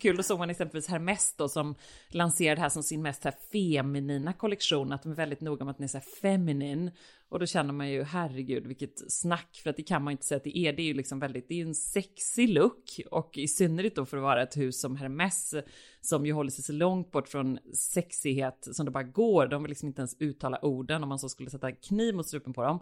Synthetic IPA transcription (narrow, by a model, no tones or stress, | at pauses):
kʰʉːld̪ɔsoːɡmanɛksɛmpəlviːshæɾmɛsd̪ɔsɔmlanseːɾad̪ɛɦæːʂɔmsɪnmɛst̪sæːɾfɛmɪniːnakʰɔlɛkʂuːnat̪̚d̪ɔmɛɾvɛld̪ɪt̪nuːɡaɔmat̪̚d̪ɛnæɾsɔæːɾfɛmɪniːn | ʔɔd̪ɔɕɛnːəɾmanjɵɦæɾːɛɡʉ̟ːd̪vɪkːət̪snakːfœɾat̪̚d̪ɛkʰanmanɪnt̪ə̥sɛjːat̪d̪ɛʔɛɖɛːɾjɵlɪksɔmvɛld̪ɪt̪̚d̪ɛjɵɛnsɛksɪlɵkːɔkɛsʏnːəɾɪt̪̚d̪oːfɔɾɔvɑːɾaɛt̪hʉ̟ːsːɔmɦæɾmɛsː | ɔmjɵɦɔlːəʂɛjsɔlɔŋt̪̚bɔʈːfɾɔnsɛksɪheːt̪sɔmd̪ɛbɑːɾaɡoːɾd̪ɔmvɪlːɪksɔmɪnt̪əɛnsʉ̟ːt̪ʰːɑːla̰ʔuːɖənɔmːansoːskɵlːəsɛt̪ːakʰniːvmʊt̪sɾʉ̟ːpːənpʰɔd̪ɔm